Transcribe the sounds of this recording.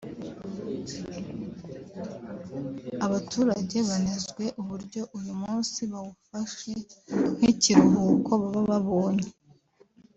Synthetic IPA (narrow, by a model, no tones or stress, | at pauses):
aβatʰuːɾaɟe̞βanezɡwe̞ʔuβuɾɟo̞ʔujumuːnsiβawufaʃen̥hiciɾuɦukʰo̞βaβaβaβo̞ːne